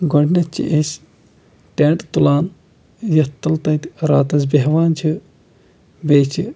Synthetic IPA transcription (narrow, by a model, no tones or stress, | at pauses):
ɡoɽʲnɐt͡ʃʰḭʔes | ʈeːɳt̪t̪ulaːn | jɐt̪ːɐlt̪ɐt̪ɾaːt̪ɐsbeɦʋaːnt͡ʃʰi | beːt͡ʃʰi